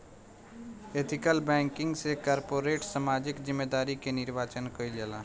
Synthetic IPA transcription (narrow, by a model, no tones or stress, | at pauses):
eːt̪ʰɪkəlbɛ̃ːŋkɪ̃ŋɡsekaːɾpoːɾeːʈsamaːd͡ʒɪkzɪmːeːd̪aːɾikenɪɾʋaːt͡ʃənkoid͡ʒəlaː